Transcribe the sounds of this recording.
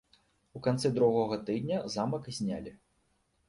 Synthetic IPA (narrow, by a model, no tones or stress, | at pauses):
ukant̪sɨd̪ɾuɣɔɣɐt̪ɨd̪nʲɐzamɐkzʲnʲa̰lʲi